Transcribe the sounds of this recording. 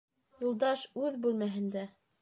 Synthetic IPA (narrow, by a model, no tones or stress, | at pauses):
jɤ̆lˠd̪ɑʃʉðbʉlmæɦɘ̆nd̪æ